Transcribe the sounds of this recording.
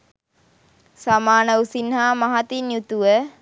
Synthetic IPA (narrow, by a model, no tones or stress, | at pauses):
samaːnəusinɦaːmaɦat̪injut̪uʋə